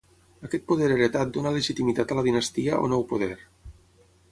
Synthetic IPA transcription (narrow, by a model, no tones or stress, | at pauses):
əkɛt̪̚poð̞eɾeɾet̪at̪̚d̪onaleʒit̪imit̪at̪ələðinəst̪iaʔo̰nɔwpoð̞ɛɾ